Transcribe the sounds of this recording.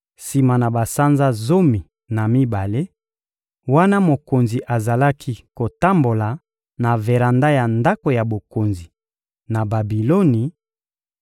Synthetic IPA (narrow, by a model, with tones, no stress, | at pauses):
si˨ma˨na˨ba˨sa˦nza˦zo˦mi˨ | na˨mi˦ba˨le˦ | wa˦na˦mo˨ko˨nzi˨ʔa˨za˨la˦kʰi˦ko˨ta˦mbo˨la˨ | na˨ve˨ʁa˨nda˦ja˨nda˦ko˨ja˨bo˨ko˨nzi˨ | na˨ba˨bi˨lo˦ni˨